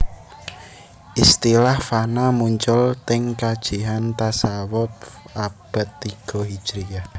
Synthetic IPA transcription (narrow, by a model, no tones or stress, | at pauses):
ʔist̪ilahfanamuɲt͡ʃʊlt̪ɪŋkad̥ʒ̥i̤ɦant̪asawɔt̪̚ab̥ə̤t̪ːiɡ̥ɔ̤ɦi̥ʒ̥ɾija